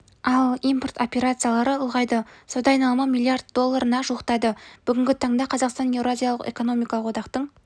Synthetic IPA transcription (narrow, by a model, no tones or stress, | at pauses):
ɑlˠijmpo̞rt̪o̞pʲe̞ɾat̪sɨjalˠɑɾəʊlˠʁɑjd̪əsod̪ɑːjnɑlˠmɑmʲilˠijard̪d̪o̞lˠːaɾənɑʒuəqt̪ɑd̪əb̥ʏɡʲɪŋɡʲɪt̪ʰɑɴd̪ɑqʰɑzɑqst̪ɑnje̞vɾoazʲijalˠəqḛko̞no̞mijkɑlˠəqwo̞d̪ɑqt̪əɴ